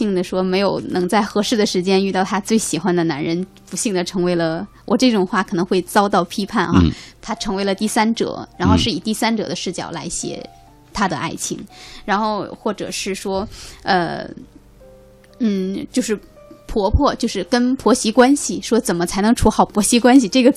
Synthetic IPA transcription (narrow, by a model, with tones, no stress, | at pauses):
i˥˩ŋd̪ə˩ʂwɔ˥me˧˥ɪjo˨˩ʊnɤ˧˥ŋt͡sa˥˩ɪxɤ˧˥ʂɻ̩˥˩d̪ə˩ʂɻ̩˧˥t͡ɕjɛ˥ny˥˧t̪ɑ˥˩ʊt̪ʰa˥t͡swe˥˩ɪɕi˨˩xwa˥nd̪ə˨na˧˥nɻə˧˥npu˧˥ɕi˥˩ŋd̪ə˩ʈ͡ʂʰɤ˧˥ŋwe˧˥ɪlə˧ | wʔɔ̰˨˩ʈ͡ʂɤ˥˩ʈ͡ʂʊ˨˩ŋxwa˥˩kʰɤ˨˩nɤ˧˥ŋxwe˥˩ɪt͡sɑ˥ʊt̪ɑ˥˩ʊpʰi˥pʰa˥˩nxa̰˧t̪ʰa˥ʈ͡ʂʰɤ˧˥ŋwe˧˥ɪlə˧t̪i˥˩sa˥nʈ͡ʂɤ̰˨˩˦ɻa˧˥nxo˥˧ʊʂɻ̩˥˩i˨˩t̪i˥˩sa˥nʈ͡ʂɤ̰˨˩d̪ə˦ʂɻ̩˥˩t͡ɕjɑ̰˨˩ʊla˧˥ɪɕjɛ̰˨˩ | t̪ʰa˥d̪ə̰˧ʔa̰˥˩ɪt͡ɕʰi˧˥ŋɻa˧˥nxo˥˧ʊxwɔ˥˩ʈ͡ʂɤ̰˨˩ʂɻ̩˥˩ʂwɔ˥ə̰˧ | n̩˥˩t͡ɕjo˥˧ʊʂɻ̩˥˩ | pʰwɔ˧˥pʰwɔ˥˧t͡ɕjo˥˧ʊʂɻ̩˥˩kə˥npʰwɔ˧˥ɕi˧˥kwa˥nɕi˨˩ʂwɔ˥t͡sə˨˩nmə˦t͡sʰa˧˥ɪnɤ˧˥ŋʈ͡ʂʰu˧˥xɑ˨˩ʊpʰwɔ˧˥ɕi˧˥kwa˥nɕ̬i˨ʈ͡ʂɤ˥˩ɡə˩